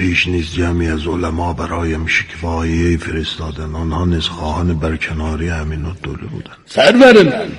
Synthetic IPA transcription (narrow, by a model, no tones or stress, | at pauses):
pʰiːʃniːsd͡ʒæmiæzolæmɒːbæɾɒːjæmʃi̥kʰvɑːejefeɾesd̪ɑːd̪ænɑnhɑːniz̥xɑːhɑːnebæɾcʰenɑːɾihæminod̪̥olḛbṵːd̪ænsæɾvæɾɪm